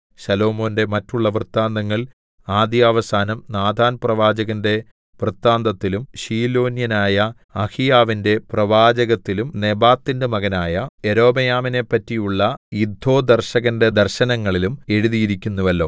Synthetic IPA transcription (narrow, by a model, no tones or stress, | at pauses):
ɕɐlo̞ːmo̞ːnde̞mɐtːuɭːɐʋrɨt̪ːaːnd̪ɐŋːɐɭ | aːd̪jaːʋɐsaːnɐmnaːd̪ʱaːnprɐʋaːd͡ʑɐɣɐnde̞ | ʋrɨt̪ːaːnd̪ɐt̪ːilumɕiːlo̞ːnjɐnaːjɐ | ɐhijaːʋinde̞prɐʋaːd͡ʑɐɣɐt̪ːilumne̞baːt̪ːindemɐɣɐnaːjɐe̞ɾo̞ːbɐjaːmine̞pːɐtːijuɭːɐid̪ʱo̞ːd̪ɐrɕɐɣɐnde̞d̪ɐrɕɐnɐŋːɐɭilume̞ɻuðijiɾikʲːunːuʋɐlːo̞ː